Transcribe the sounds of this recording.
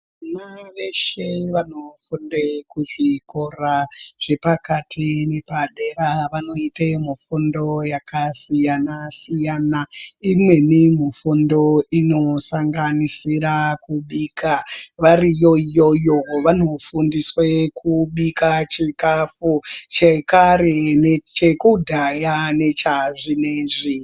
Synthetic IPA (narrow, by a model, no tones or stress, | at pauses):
naʋe̞ʃe̞ʋano̞fundekuʐikoraʐ̥e̞pakatʰinepaɗe̞raʋano̞itemufundo̞jakasijanasijanaimwe̞nimufundo̞ino̞saŋɡanisirakuɓiːkʰaʋarijo̞ijo̞joʋano̞fundiswekʰuɓikat͡ʃikafut͡ʃekaɾe̞net͡ʃekudʱajane̞t͡ʃaʐineʐi